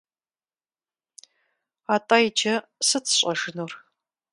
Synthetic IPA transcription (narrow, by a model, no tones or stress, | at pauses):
aːtʼajd͡ʒʰɐsɨt͡sʰɕʼɐʒɨnuːr